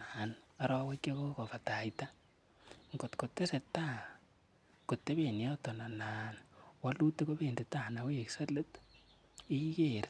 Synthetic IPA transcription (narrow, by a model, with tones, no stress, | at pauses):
ana˦ɾɔ˦we˦kje˦ko˦ko˨fa˨ta˨ita˦ | ŋɡo˨tko˨tːe˦se˨ta˦˨ | ko˨tːe˦βe˨ni˨jɔ˦tɔ˨na˨na˨nwa˦lu˦te˦ko˦βe˨nde˨ta˨na˨we˦kse˦le˦t | i˦i˦ke˨ɾ